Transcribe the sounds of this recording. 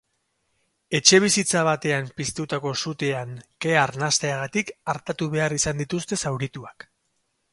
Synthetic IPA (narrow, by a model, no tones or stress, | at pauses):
e̞t͡ʃe̞β̞isit͡saβ̞at̪e̞ampist̪ut̪ako̞sut̪eaŋke̞aɾnast̪e̞aɣat̪ikaɾt̪at̪uβe̞arisand̪it̪ust̪e̞sawɾit̪uak